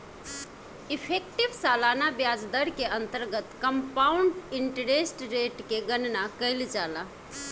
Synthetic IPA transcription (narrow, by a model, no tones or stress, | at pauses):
ɪpʰek̚ʈiʋsaːlaːnabjaːd͡ʒd̪əɾkeə̃nt̪əɾɡət̪kəmpaːwʊɳɖɪɳʈəɾesʈɾeːʈkeɡənnakəɪld͡ʒaːla